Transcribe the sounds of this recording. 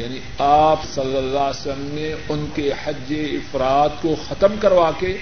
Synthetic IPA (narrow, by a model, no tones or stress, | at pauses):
jaːni | aːpsɐlːəlːaːsəmneʊnkehɐd͡ʒːeɪfɾaːt̪koxɐt̪əmkɐɾʋaːke